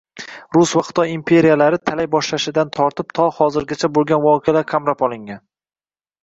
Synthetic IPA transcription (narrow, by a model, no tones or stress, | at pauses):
ɾʊsvaχɨ̥t̪ʰɒjimpʰe̞ɾijalaɾɪt̪ʰalajbɒʃlaʃɪd̪ant̪ʰɒɾt̪ɪpt̪ʰɒhɒzɪɾɡʲat͡ʃʰabolˠɡʲanvɒqʰealaɾkʲʰamɾapɒlˠɪŋɡʲan